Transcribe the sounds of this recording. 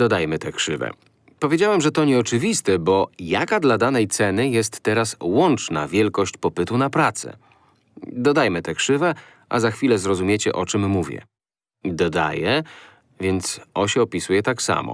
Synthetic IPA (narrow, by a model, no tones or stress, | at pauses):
d̪ɔd̪ajmɘt̪ɛkʂɘvɛ̰ | pɔvʲjed͡ʑawɛmʐɛt̪ɔɲɛɔt͡ʂɘvʲist̪ɛbɔjakad̪lad̪anɛjt̪sɛnɘjɛs̬t̪ːɛɾaswɔnt͡ʂna̰vʲjɛlkɔɕt͡ɕpɔpɘt̪unapɾat̪sɛ̰ | d̪ɔd̪ajmɘt̪ɛkʂɘvɛ | ʔa̰zaxfʲilɛzɾɔzumʲjet͡ɕɛ̰ʔɔt͡ʂɛmːuvʲjɛ̰ | d̪ɔd̪a̰jɛ | vʲjɛnt̪sɔɕɛɔpʲisujɛt̪aksa̰mɔ̰